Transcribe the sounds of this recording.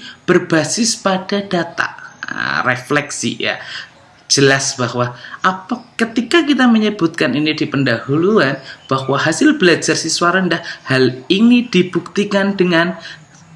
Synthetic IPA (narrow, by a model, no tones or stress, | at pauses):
b̥ərb̥asɪspad̥adat̪a̰ʔə̰reflɛksḭja̰ | d͡ʒəlasb̥ahwaʔapakət̪ikakit̪aməɲəbut̪̚kaninidipəndahuluanb̥ahwaɦasɪlbəlad͡ʒarsiswaɾəndahhalinid̥ib̥uk̚t̪ikandəŋan